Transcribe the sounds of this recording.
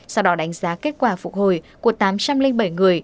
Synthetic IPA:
sa˧wɗɔ˨˦ɗa˨˦ŋ̟zaː˨˦ke˦˥t̚kwaː˧˩fʊ˨˩k̚ho˧˩jku˧˩ət̪aː˨˦mt͡ɕa˧mlï˧ŋɓə˧˩jŋɨ˨˩əj

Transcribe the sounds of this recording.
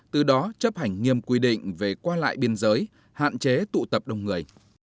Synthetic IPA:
t̪ɨ˨˩ɗɔ˨˦t͡ɕə˦˥p̚ha˨˩jŋ̟ŋi˧əmkwi˧ɗḭ̈˧˨ŋ̟ve˨˩kwaː˧la̰ː˧˨jɓi˧ənzəː˨˦j | ha̰ː˧˨nt͡ɕe˨˦t̪ṵ˧˨t̪ə˨˩p̚ɗə˧wŋ͡mŋɨ˨˩əj

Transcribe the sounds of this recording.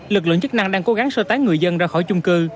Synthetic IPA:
lɨ˨˩k̚lɨ̰˧˨ŋt͡ɕɨ˦˥k̚na˧ŋɗaː˧ŋko˨˦ɣa˨˦ŋsəː˧t̪aː˨˦ŋŋɨ˨˩əjzə˧nzaː˧xɔ˧˩jt͡ɕʊ˧ŋ͡mkɨ˧

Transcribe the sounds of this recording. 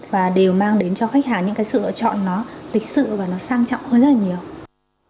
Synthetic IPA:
vaː˨˩ɗe˨˩wmaː˧ŋɗe˨˦nt͡ɕɔ˧xa˦˥k̚haː˨˩ŋɲɨ̰˧˥ŋkaː˨˦jsɨ̰˧˨lɨ̰˧˨t͡ɕɔ̰˧˨nːɔ˨˦lï˨˩k̚sɨ̰˧˨vaː˨˩nɔ˨˦saː˧ŋt͡ɕɔ̰˧˨wŋ͡mhəː˧nzə˦˥laː˨ɲi˨˩əw

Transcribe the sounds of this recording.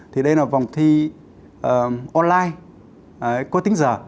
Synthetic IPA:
t̪ʰi˨˩ɗə˧jlaː˨˩va˨˩wŋ͡mt̪ʰi˧ | ʔəː˨˩ʔɔ˧nlaː˧j | əː˨˦kɔ˨˦t̪ï˨˦ŋ̟zəː˨˩

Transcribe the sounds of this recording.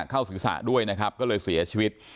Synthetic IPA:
kʰaː˥˩wsɯː˩˦sa̰ː˨˩du˥˩əjna˦˥kʰa˦˥p̚kɔː˥˩lɤː˧jsi˩˦ɐt͡ɕʰiː˧wi˦˥t̪̚

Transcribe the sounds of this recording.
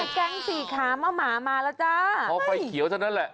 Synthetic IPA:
kɛ˧ŋsiː˨˩kʰaː˩˦mɔː˧˩maː˩˦maː˧laː˦˥wt͡ɕa˦˥˩ɔː˨˧˦fa˨˩jkʰi˨˦wt͡ɕʰa˧˩na˦˥nlɛ˨˩ʔ

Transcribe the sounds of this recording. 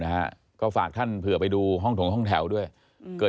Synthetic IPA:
na˦˥ha̰˦˧˥ | kɔː˥˩faː˨˩k̚t̪ʰa˥˩npʰɯ˨˩əpa˧jduː˧ɦɔ˥˩ŋt̪ʰo˩˦ŋɦɔ˥˩ŋt̪ʰɛ˩˦wdu˥˩əj | kɤː˨˩

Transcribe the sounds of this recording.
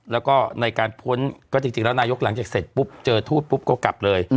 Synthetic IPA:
lɛː˦˥wkɔː˥˩na˧jkaː˧npʰu˦˥nkɔː˥˩t͡ɕi˧ŋt͡ɕi˧ŋlɛː˦˥wnaː˧jo˦˥k̚la˩˦ŋt͡ɕaː˨˩k̚se˨˩t̪̚pu˦˥p̚t͡ɕɤː˧t̪ʰuː˥˩t̪̚pʰu˦˥p̚kɔː˧˩ka̰˨˩p̚lɤː˧j

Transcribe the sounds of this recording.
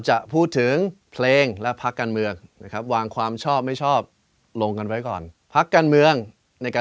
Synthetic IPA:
t͡ɕa˨˩ʔpʰuː˥˩t̪ʰːɯ˩˦ŋpʰleː˧ŋlɛ˦˥pʰa˦˥kːaː˧nmɯ˧əŋna˦˥kʰɾa˦˥p̚waː˧ŋkʰwaː˧mt͡ɕʰɔː˥˩p̚ma˥˩jt͡ɕʰɔː˥˩p̚ | lo˧ŋka˧nwa˦˥jkɔ̰ː˨˩n | pʰa˦˥kːaː˧nmɯ˧əŋ | na˧jkaː˧

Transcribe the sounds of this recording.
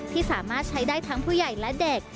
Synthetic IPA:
t̪ʰiː˥˩saː˩˦maː˥˩t̪̚t͡ɕʰa˦˥jdaː˥˩jt̪ʰa˦˥ŋpʰuː˥˩ja˨˩jlɛ˦˥de˨˩k̚

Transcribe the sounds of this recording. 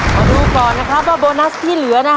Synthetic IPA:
ma˧˩duː˧kɔː˨˩nna˦˥kʰɾa˦˥p̚waː˥˩boː˧na˦˥st̪ʰiː˥˩lɯ˨˩˦ɐna˦˥

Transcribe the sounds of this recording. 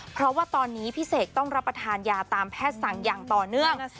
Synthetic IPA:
pʰɾɔ˦˥waː˥˩t̪ɔː˧nːiː˦˥pʰi˦˥seː˨˩k̚t̪ɔ˥˩ŋɾa˦˥pːɾa˧t̪ʰaː˧njaː˧t̪aː˨˧mpʰɛː˥˩t̪̚sa˨˩ŋjaː˨˩ŋt̪ɔː˨˩nɯ˥˩əŋ

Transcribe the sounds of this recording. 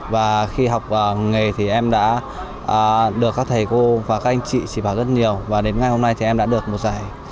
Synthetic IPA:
vaː˨˩xi˧ɦa˨˩wk͡p̚ʔəː˨˩ŋe˨˩t̪ʰi˨˩ʔɛ˧mɗa̰ː˧˥ | ʔəː˨˩ɗɨ˨˩əkːaː˦˥k̚t̪ʰə˨˩jko˧vaː˨˩kaː˦˥k̚ʔa˧jŋ̟t͡ɕḭ˧˨t͡ɕi˧˩ɓaː˧˩wzə˦˥t̚ɲi˨˩əwvaː˨˩ɗe˨˦nŋa˨˩jho˧mna˧jt̪ʰi˨˩ʔɛ˧mɗa̰ː˧˥ɗɨ˨˩ək̚mo˨˩t̚zaː˧˩j

